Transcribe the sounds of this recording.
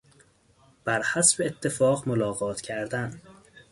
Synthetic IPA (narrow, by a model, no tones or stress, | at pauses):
b̥æɾhæsbeet̪ʰːe̞fɒːɣmolɒːɣɒːt̪ʰcʰæɾd̪æn